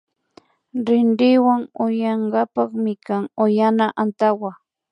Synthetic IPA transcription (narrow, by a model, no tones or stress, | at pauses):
ɾɪnɾɪwaŋʊjɑɴɢɑpɑχmɪkaŋojanaʔant̪awa